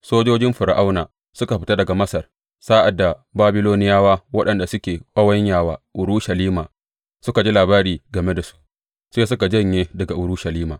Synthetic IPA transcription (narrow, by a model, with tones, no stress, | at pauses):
soː˦d͡ʒoː˦d͡ʒɪ˦mɸʊ˨ɾʔa˦wnaː˨ | sʊ˦ka˨ɸɪ˨ta˦dɐ˨ɡa˨mɐ˦sɐ˨r | saː˦ʔa˨dːa˨baː˦bɪ˦loː˦nɪ˦jaː˦waː˦wɐ˦ɗɐ˨nda˨sʊ˦kʲeː˨kʷʼɐ˦wɐ˦ɲjaː˦˨waː˨˦ʔʊ˨ɾuː˦ʃɐ˨liː˦maː˨ | sʊ˦ka˨d͡ʒi˦laː˨baː˦ɾiː˨ɡɐ˨me˦da˨su̥˦ʔ | seː˦s̬ʊ˦ka˨d͡ʒɐ˦˨ɲjeː˦dɐ˨ɡa˨ʔʊ˨ɾuː˦ʃɐ˨liː˦maː˨